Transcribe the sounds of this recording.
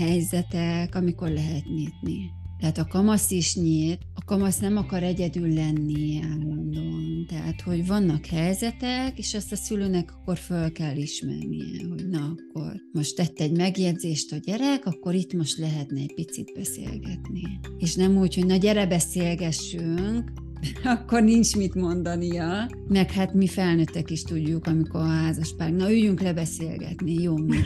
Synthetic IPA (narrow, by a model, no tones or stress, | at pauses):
hɛjzɛt̪ɛkɒmiko̞rlɛɦɛt̪niːt̪nit̪ɛɦaːt̪ɒkɒmɒsiʃɲiːt̪ɒkɒmɒsnɛmɒkɒɾɛɟɛd̪ylːɛnːiɛmo̞nd̪o̞mt̪ɛɦa̰t̪ho̞ɟvɒnːɒkhɛjzɛt̪ɛkeːʃɛst̪ɒsyløːnɛkɒ̥kːo̞rfølkɛlːiʃmɛ̰rnḭjɛ̰ɦo̞ɟnɒɒkːo̞̰rmo̞ʃt̪ːɛt̪ːɛɟmɛɡjɛɟzeːʃt̪ɒɟɛɾɛkɒkːo̞ɾit̪mo̞ʃt̪lɛɦɛt̪nɛɛcpit̪sḭd̪̚bɛsḛːlɡɛt̪nieːʃnɛmuːcho̞ɟnɒɟɛɾɛbɛseːlɡɛʃːyŋk | ɒkːo̞rnint͡ʃmit̪mo̞nd̪ɒnijɒ | mɛkhat̪mifɛlnøt̪ːɛkiʃt̪uɟːukɒmiko̞ɾɦaːzɒʃpaːrɡnɒyjyŋklɛbɛseːlɡɛ̰t̪nijoːmi